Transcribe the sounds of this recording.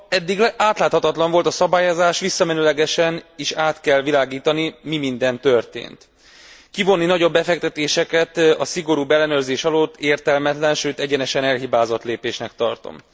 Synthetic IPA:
ɛd̪ːiɡaːt̪laːt̪hɒt̪ɒt̪lɒɱvo̞lt̪ɒsɒbaːjozaːʃʋisːɒmɛnylɛɡɛʃɛneːʃaːt̪kɛlvilaːɡiːt̪ɒnimimind̪ɛnt̪ørt̪ḛːnt̪ | kivo̞nːinɒɟo̞bːɛfɛkt̪ɛt̪eːʃɛkɛt̪ɒsiɡo̞ɾuːbɛlːɛnøːrzeːʃɒloːt̪ːeːrt̪ɛlmɛt̪lɛnʃøːt̪ɛɟɛnɛʃɛnɛlɦibaːzo̞t̪leːpeːʃnɛkt̪ɒrt̪o̞̰m

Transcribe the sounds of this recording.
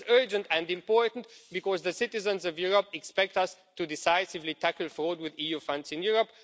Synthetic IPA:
zɜ˞d͡ʒə̃ntɨ̃ndɪ̃mpɔɹtn̩tbɨkɔzðəsɪtɪzə̃nzʌvjuɹəpɛkspɛk̚tʌstudɪsaɪsɪvlitʰækl̩ˠfɹod̚wɪðijufʌ̃ndzɪ̃njʊɹəp

